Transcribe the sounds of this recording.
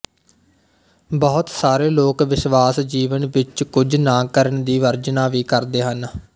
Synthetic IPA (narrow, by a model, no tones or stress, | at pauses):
bɔːʊt̪saːɾeːloːkʋɪsʋaːsd͡ʒiːʋənʋɪt͡ʃkʊd͡ʒnãːkəɾəɳd̪iːʋəɾd͡ʒnaːʋiːkəɾd̪eːɦən